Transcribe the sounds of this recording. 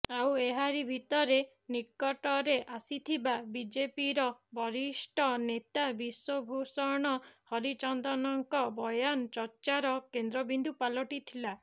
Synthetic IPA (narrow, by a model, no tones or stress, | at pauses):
aweɦaɾibʱit̪ɔɾe | nikːɔʈɔɾeʔasit̪ʰibabid͡ʒepiɾɔbʱɔɾisʈʰɔnet̪abiswobʱusɔɾɽ̃ɔhɔɾit͡ʃɔnd̪ɔnɔŋkɔbɔjant͡ʃɔɾt͡ʃaɾɔkend̪ɾɔbind̪upalɔʈit̪ʰila